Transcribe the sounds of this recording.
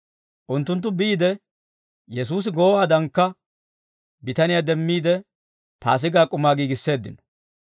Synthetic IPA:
ʔʊnt̪ːʊnt̪̬ːʊbɪːd̪ɛ | jɛs̬uːs̬ɪɡoːwaːd̪ɐŋkːɐ | bɪt̪ɐnɪjaːd̪ɛmːiːd̪ɛ | paːs̬ɪɡaːkʼʊmaːɡiːɡɪsːe̞ːd̪ːɪ̰nɔ̥

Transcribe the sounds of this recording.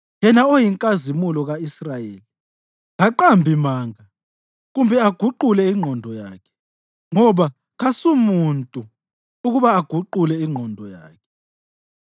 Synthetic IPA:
jɛnaojiŋkʼazimulɔɣaisrajeːli | ŋaǃambʱimaːŋa | ɣumbʱɛaɡ̥ʱuǃulɛiŋ͡ǃʱɔndʱɔja̰ːkʰɛ̥ | ŋɔβa | ɣasumuntʼu | uɣuβaːɡ̥ʱuǃulɛiŋ͡ǃʱɔndʱɔja̰ːkʰɛ̥

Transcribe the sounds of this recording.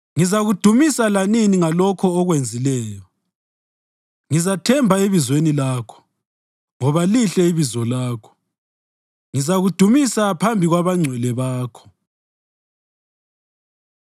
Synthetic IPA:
ŋizaɣud̥ʱumisalaniniŋalɔkʰɔːɣwend͡zʱilɛːjɔ | ŋizatʰɛmbʱaeβizwenilaːkʰɔ̥ | ŋɔβaliɬɛiβizɔlaːkʰɔ̥ | ŋizaɣud̥ʱumisapʰambʱiɣwaβaŋ͡ǀʱwɛlɛβaːkʰɔ̥

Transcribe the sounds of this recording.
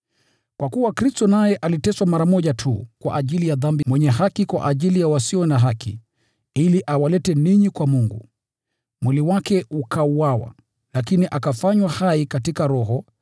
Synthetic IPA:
kwakuwakɾistɔnajɛʔalitɛswamaɾamɔʄatʰṵkwa̰ʔaʄilijaðambimwɛɲɛɦakikwa̰ʔaʄilijawasiɔnaɦakḭ | iliʔawalɛtɛniɲikwamuŋɡṵ | mwiliwakɛukʰauwawa̰ | lakiniʔakafaɲwahaikatikaɾɔɦɔ

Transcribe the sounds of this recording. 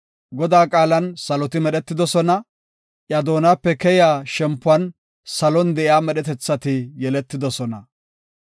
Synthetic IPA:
ɡɔd̪aːkʼaːlɐnsɐlɔt̪ɪmɛɗɛt̪ːɪd̪ɔsɔnɐ | ʔjɐd̪o̞ːnaːpːɛkɛjɪaːʃɛmpːʊɐn | sɐlɔnd̪ɛʔɪaːmɛɗɛt̪ɛt͡sːɐt̪ɪjɛlɛt̪ːɪd̪ɔsɔnɐ

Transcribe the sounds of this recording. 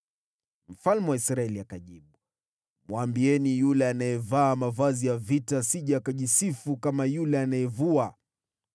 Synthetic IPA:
m̩falmɛwaisɾaɛliakaʄiɓu | mwambiɛnijulɛanajɛvaːmavazijavitasiʄaːkaʄisifukamajulɛanajɛvua

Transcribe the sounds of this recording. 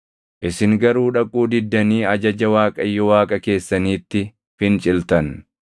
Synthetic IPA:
ʔɪsɪŋɡɐɾuːᶑɐkʼuːd̪ɪd̪ːɐniːɐd͡ʒɐd͡ʒɐwaːkʼɐjːɔwaːkʼɐke̞ːsːɐniːt̪ːɪ | fɪnt͡ʃʼɪlt̪ɐn

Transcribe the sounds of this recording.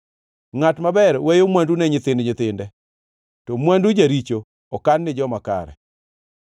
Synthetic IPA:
ŋatmabɛɾwejomwandunɛɲɪt̪ɪndɲɪt̪ɪndɛ | tɔmwandud͡ʒaɾit͡ʃo | ɔkanːɪd͡ʒɔmaka̰ɾɛ̰

